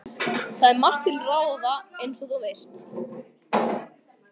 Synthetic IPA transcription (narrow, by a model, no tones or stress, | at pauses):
θaðɛɾmar̥t̪ʰɪlraːwðaejnsɔðɔvejr̥t̪